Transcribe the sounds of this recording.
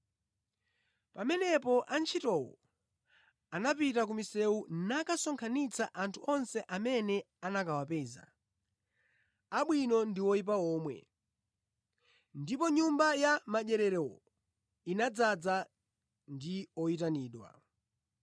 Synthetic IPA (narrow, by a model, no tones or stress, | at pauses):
pamɛnɛpɔʔant͡ʃʰitɔwɔ̰ | anapitak̬umisɛunakasɔŋkʰanit͡sʰaʔantʰuɔnsɛʔamɛnɛ | anakawapɛza̰ | aɓwinɔndiwɔip̬aɔːmwɛ̰ | ndipɔɲumbajamaʄɛɾɛɾɛwɔ̰ | inad͡zad͡za | ndiɔitaniːɗwa̰